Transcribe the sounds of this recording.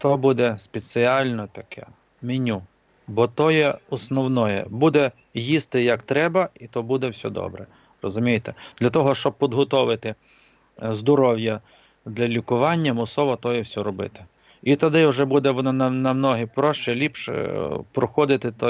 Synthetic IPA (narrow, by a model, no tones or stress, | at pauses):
t̪ɔbud̪ɛspʲet͡s̪ʲɪɑlʲnɔt̪ɐkʰɛ̰ | mʲinʲu | bɔt̪ɔjɛɔsnɔwnɔjɛ̰bud̪ɛ | jist̪ɪjɐkt̪ɾɛbɐit̪ɔbud̪ɛwsʲɔ̰d̪ɔ̰bɾɛ | rɔzʊmʲijt̪ɛd̪̥lʲɐt̪ɔɦɔʃt͡ʃɔb̚pʲid̪ɦɔt̪ɔʋɪt̪ɪ | zd̪ɔɾɔwjɐ | d̪lʲɐlʲikʊʋɑnʲːɐmʊsɔʋɔt̪ɔjɛwsʲɔɾɔbɪ̰t̪ɪ̥ | it̪ɐd̪ɪʊʒɛbud̪ɛʋɔnɔnɐnɐmnɔɦipɾɔʃt͡ʃɪlʲipʃpɾɔxɔd̪ɪt̪ɪt̪ɔ